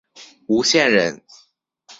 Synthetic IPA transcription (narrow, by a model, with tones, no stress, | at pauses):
u˧˥ɕjɛ˥˩nɻə˧˦˥n